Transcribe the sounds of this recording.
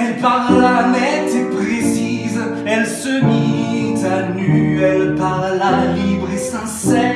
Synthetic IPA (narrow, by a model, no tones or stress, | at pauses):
ɛlpaʁlamɛt̪epχesiz | ɛlsəmizanyɛlpaʁlalibʁesɛ̃sɛ